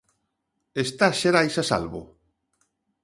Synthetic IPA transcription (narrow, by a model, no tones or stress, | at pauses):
est̪aʃeɾajsasa̰lβʊ̰